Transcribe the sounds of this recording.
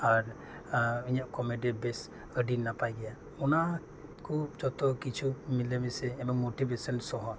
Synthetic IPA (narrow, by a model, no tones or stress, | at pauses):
aɾ | iɲaʔkɔmeɖibɛs | əɖinapajɡɛja | ɔna | kʰub̚d͡ʒɔt̪ɔkit͡ʃʰumilɛmɛsɛːbɔŋmoʈibesɔnsɔɦɔ